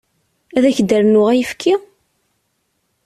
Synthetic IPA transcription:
æðæçd̪əɾnʊʁæjəfkʰi

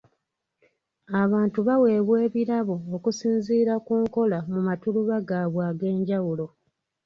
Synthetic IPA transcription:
aβaːntuβawe̞ːβwe̞ːβiɾaβo̞ːkusiːnziːɾakuːŋko̞lamumatuluβaɡaːβwaːɡe̞ːɲɟawulo̞

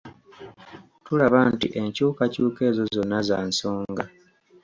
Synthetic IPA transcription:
tulaβantḭʔe̞ɲcuːkacuːke̞ːzo̞zo̞nːazaːnso̞ːŋŋɡa

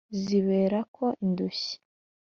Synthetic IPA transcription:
ziβe̞ːɾakʰo̞ʔinduɕi̥

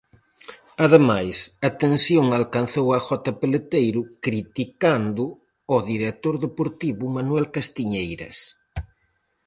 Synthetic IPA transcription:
aðemajsɐt̪ensjoŋalkanθowɐxɔt̪ɐpelet̪ejɾʊkɾit̪ikand̪ʊ | ɔðiɾet̪oɾðepoɾt̪iβʊmanwɛlkast̪iɲejɾɐ̰s

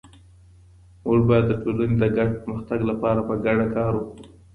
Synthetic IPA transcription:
woʐbɑjad̪ːəʈolaned̪əɡaɖ̚pəɾməxt̪aɡlapɑɾapəɡaɽakɑɾwokɽu

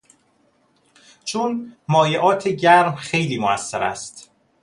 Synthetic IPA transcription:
t͡ʃʰunmɒːjeʔɒːt̪ʰeɟæɾmxe̞jliːmoæsːeɾæ̰st̪

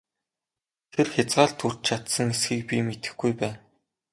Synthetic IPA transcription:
t̪ʰerxʲat͡sɢaːɮt̪ʰur̥t͡ɕt͡ɕʰat̪sə̆ŋesxiːk̚pʲimet̪ɘ̆xɡujpæːn

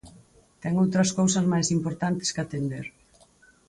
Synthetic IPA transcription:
t̪ɛŋowt̪ɾɐskowsɐzmajsimpoɾt̪ant̪ɪ̥skat̪end̪eɾ

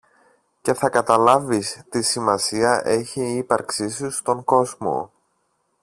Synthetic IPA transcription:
ce̞θɐkɐt̪ɐlɐvist̪isimɐsiɐʔe̞çiːpɐɾksisust̪o̞ŋko̞zmo̞̰

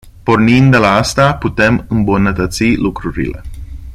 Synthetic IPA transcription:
po̞rnind̪elaast̪aput̪e̞mɨmbunət̪ət̪silukɾuɾḭle̞̰

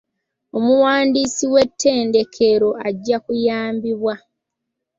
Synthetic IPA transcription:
o̞muwaːndisiwe̞tːe̞ːnde̞kʰe̞ɾo̞aɟːakujaːmbiβwa

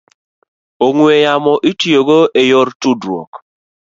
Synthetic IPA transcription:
oŋwejamɔʔitjoɡoʔejɔrtudɾuo̰k

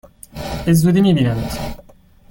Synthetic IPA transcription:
ezuːd̪imiːbiːnænt̪

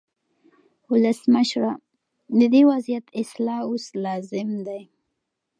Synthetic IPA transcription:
wʊləsməʃɾɑ | d̪əd̪ewazijat̪ɪslɑoslɑzɪmd̪aj

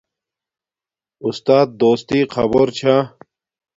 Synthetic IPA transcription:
ust̪aːt̪̚d̪oːst̪iːqʰɐ̰boɾt͡ɕʰa

